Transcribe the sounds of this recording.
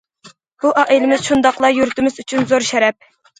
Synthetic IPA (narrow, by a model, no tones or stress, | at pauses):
b̥uʔɑʔelɪmɪz̥ʃund̪ɑqlˠɑjuɾt̪ɪmɪzyt͡ʃʰynzoɾʃɛɾɛp̚